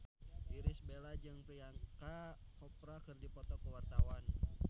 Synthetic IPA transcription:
iɾɪsbelad͡ʒɨŋpiaŋkakɔpɾakɨrdipɔt̪ɔkəwart̪awan

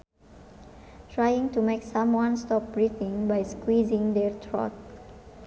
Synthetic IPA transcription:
tɹajĩŋtumeksãmwɔ̃nstɔp̚bɹit̪ɪ̃ŋbajskwizɪ̃ŋd̪ɛrt̪ʰɹɔ̰t̚

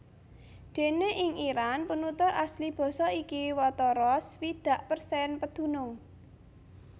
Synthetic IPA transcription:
d̪̥e̤neʔɪŋiɾanpənut̪ʊɾʔa̰slib̥ɔ̤sɔikiwɔt̪ɔɾɔswid̪̥ä̤ʔpərsɛnpəd̪̥ṳnʊŋ

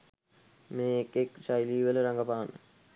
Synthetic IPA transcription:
meːekːekɕajliːʋələɾaŋɡəpaanə̰

